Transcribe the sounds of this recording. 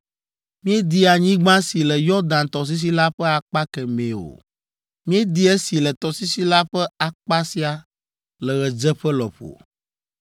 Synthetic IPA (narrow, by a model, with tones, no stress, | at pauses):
mĩ˦ɛ˦d̪i˦a˨ɲĩ˦ɡ͡bã˦si˨lɛ˨jɔ˦d̪ã˨nt̪ɔ˨s̬i˦s̬i˦la˦ɸɛ˦a˨k͡pa˦kɛ˨mẽ˨o̰˨ | mĩ˦ɛ˦d̪i˦ɛ˦si˨lɛ˨t̪ɔ˨si˦si˦la˦ɸɛ˦a˨k͡pa˦si˦a˨ | lɛ˨ɣɛ˨d͡ʒɛ˦ɸɛ˦lɔ̰˨ɸo̰˨